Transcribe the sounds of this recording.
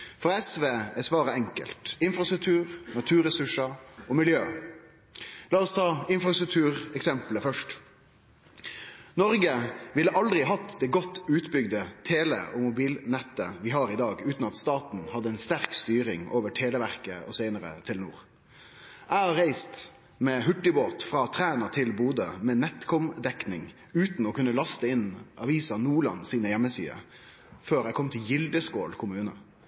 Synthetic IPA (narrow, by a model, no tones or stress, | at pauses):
fɔɾɛsʋeːɛsʋɑːɾəɛŋkə̰lt̪ɪnfʁɑst̪ɾʉk̚t̪ʰʉːɾnɑt̪ʰʉːɾəsʉʂəɔmɪljøː | lɑːɔst̪ʰɑːɪnfɾɑst̪ɾʉk̚t̪ʰʉːɾɛksɛmpləfœʂʈ | nɔɾɡəʋɪlːəʔɑld̪ɾɪɦɑt̪ːd̪ɛːɡɔt̪ːʉːt̪bʏɡd̪ət̪ʰeːlɛ̰ʔɔmʊbiːlnɛt̪ːəʋɪɦɑːɾɪd̪ɑːɡʉːt̪n̩ɑt̪st̪ɑːt̪n̩hɑd̪ːəɛɪnst̪æɾkst̪yːɾɪŋoːʋəʈʰeːləʋæʁkəɔsæɪnəɾə̰t̪ʰɪlnṵːʁ | ʔæɪhɑɾæɪst̪ | mɛːɦʉʈːɪboːt̪fʁɑːt̪ʰɾæːnəɾt̪ʰɪlbuːd̪əmɛnɛt̪kʰɔmd̪ɛknɪŋ | ʉːt̪nɔkʉnːəlɑst̪əɪnʔɑʋiːsɑnuːɭɑ̰nsiːnəjɛmːəsḭːə̰ | føːɾæɪkʰɔmt̪ʰɪljɪld̪əskoːlkʰʊmʉːnə